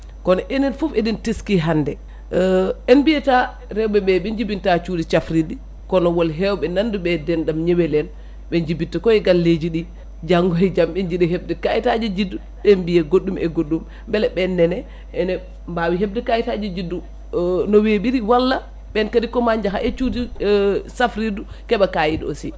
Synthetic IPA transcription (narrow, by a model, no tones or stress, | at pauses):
kɔnɔʔɛnɛnfufedintiskiɦandɛ | ɛnbijɛta | ɾɛwbɛɓɛɓɛɲd͡ʒibintat͡ʃudit͡ʃafɾidi | kɔnɔwɔlɦɛwɓɛnanduɓɛdɛnɗamɲɛwɛlɛn | ɓɛɲd͡ʒibintakɔɛɡalːed͡ʒiɗi | d͡ʒaŋɡɔhɛd͡ʒambɛɲd͡ʒiɗɛɦeb̚dɛkajitad͡ʒid͡ʒidːu | ɓɛmbijɛɡoɗdːumʔɛɡoɗːum | bɛlɛbɛndɛnɛ | ʔɛnɛ | mbawiɦeb̚dɛkajitad͡ʒid͡ʒidːu | nɔwebiɾiwalːa | ɓɛnkadikɔmaɲd͡ʒaɦa̰ʔɛt͡ʃudisafɾidu | kɛɓakajido̰si